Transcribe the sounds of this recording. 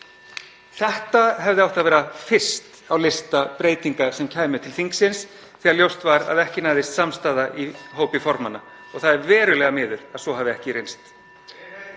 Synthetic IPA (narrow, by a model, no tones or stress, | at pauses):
θɛht̪aɦɛvðɪawht̪aðvɛːɾafɪr̥st̪ | awlɪst̪apɾeːjt̪iŋkasɛmcʰaːjmʏt̪ʰɪlθiŋksɪns | θiːɣaɾljowst̪vaɾa̰ðɛhcɪnaːjðɪst̪samst̪aːðaʔiɦoːwpɪfɔɾmanːa | ɔɣθaðɛɾvɛːɾʏlɛɣamɪːðʏɾ̥aðsɔɦaːvɪɛhcɪɾejnst̪